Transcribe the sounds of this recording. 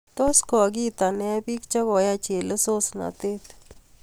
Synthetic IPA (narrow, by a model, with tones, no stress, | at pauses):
t̪o˦skɔ˨k̬i˦t̪a˨nɛ˦pi˦kt͡ʃa˦kɔ˨ja˦t͡ʃe˨lə˦so˦sna̰˨t̪e˦t̪